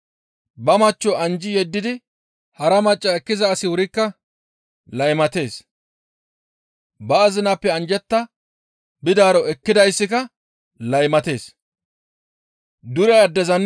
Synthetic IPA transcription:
bɐmɐt͡ʃːɔʔɐnd͡ʒɪjɛd̪ːɪd̪ɪ | hɐɾɐmɐt͡ʃʼːɐɛkːɪzɐːsɪwʊɾɪkːɐ | lɐjmɐt̪e̞ːs | bɐːzɪnapːɛɐnd͡ʒɛt̪ːɐ | bɪd̪aːɾɔɛkːɪd̪ɐjsːɪkɐ | lɐjmɐt̪e̞ːs | d̪ʊɾɛɐd̪ːɛzɐn

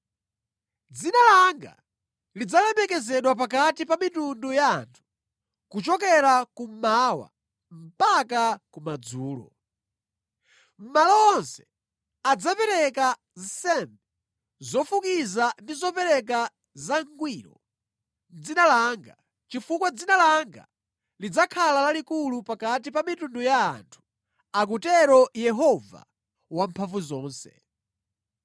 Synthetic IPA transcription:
d͡zinalaŋɡa̰ | lid͡zalɛmɛkɛzɛɗwap̬akatipamitundujantʰu̥ | kut͡ʃɔk̬ɛɾakumawa̰ | m̩pakakumad͡zuːlɔ̰ | m̩malɔɔnsɛ̥ | ad͡zapɛɾɛka | zisɛmbɛ | zɔfukizandizɔpɛɾɛk̬a | zaŋɡwiɾɔ̰ | d͡zinalaːŋɡa | t͡ʃifukwad͡zinalaŋɡa̰ | lid͡zakʰalalalikulupakat̬ipamitunduja̰ːntʰu̥ | ak̬utɛɾɔjɛɦɔva̰ | wampʰaɱvuzɔːnsɛ̰

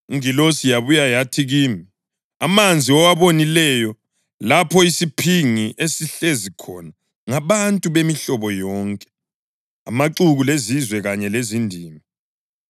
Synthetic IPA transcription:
uŋilosijaβujajatʰiɣiːmi | amand͡zʱiɔwaβonilɛjɔ | lapʰɔisipʰiŋiʔesiɬezikʰɔna | ŋaβantʼuβemiɬɔβɔjɔːŋkʼɛ̥ | a̰maǀuɣulezizwɛɣaɲɛlezindʱiːmi

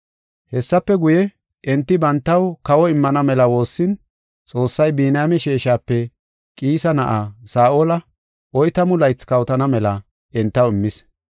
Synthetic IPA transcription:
hɛsːɐpːɛɡʊjɛ | ɛnt̪ːɪbɐnt̪ːɐwkɐwɔɪmːɐnɐmɛlɐwo̞ːsːɪn | t͡sʼo̞ːsːɐjbiːnaːmɛʃeːʃaːpːɛ | kʼiːsɐnɐʔasaːʔolɐ | ʔɔjt̪ɐmʊlɐjt͡skɐwt̪ɐnɐmɛlɐ | ɛnt̪ːɐwɪmːɪs

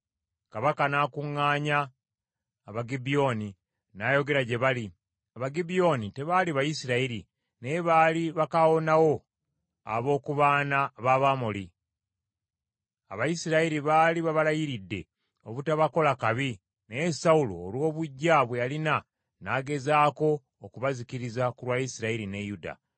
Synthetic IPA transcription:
kaβakanaːkuŋːaːɲaː | βaɡibijo̞ni | naːjo̞ɡe̞ɾaɟe̞βali | aβaɡibijo̞ːnite̞βaliβajisiɾaiɾḭ | ne̞βaːliβakawo̞nawo̞ | a̰βo̞ːkuβaːnaβaβamoli | aβajisiɾaiɾiβaːliβaβalajiɾidːe̞̰ | o̞βutaβako̞lakaβi | nejesaulo̰ːlwo̞ːβuɟːaβwealina | naːɡe̞zaːko̞ː | kuβazikiɾizakuɾwaːjisiɾaiɾine̞juda̰

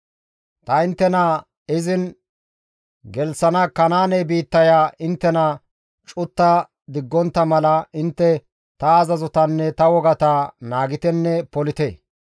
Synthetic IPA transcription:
t̪ɐɪnt̪ːɛnɐ | ɪzɪn | ɡɛlsɐnɐkɐnaːnɛjbiːt̪ːɐjaːʔɪnt̪ːɛnɐ | t͡ʃʼʊt̪ːɐ | d̪ɪɡːɔnt̪ːɐmɐlɐɪnt̪ːɛ | t̪ɐːzɐzʊt̪ɐnːɛt̪ɐwɔɡɐt̪aːnaːɡɪt̪ɛnːɛpɔlɪt̪ɛː

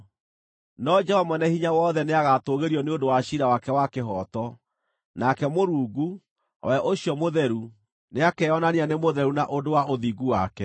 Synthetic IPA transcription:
nɔd͡ʒɛhɔmanɛhiɲawɔːðɛneaɣatoɣeɾiɔneondowaɕiɾawakɛwakeɦɔtɔ | nakɛmoɾuːɡu | wɛʔoɕiɔmoðɛɾu | neakɛɔnanianemoðɛɾunaʔodowaoðiɡuwa̰kɛ

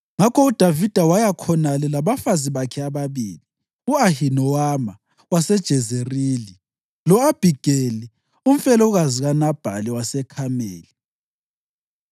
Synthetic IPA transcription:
ŋakʰɔud̥ʱavid̥ʱawajakʰɔnalɛlaβafaziβakʰɛaβaβiːli | uahinɔwama | wasɛd̥ʒ̥ʱɛzeriːli | lɔab̥ʱiɡ̥ʱeli | um̩fɛlɔɣaziɣanab̥ʱa̰liwasɛkʰamḛːli

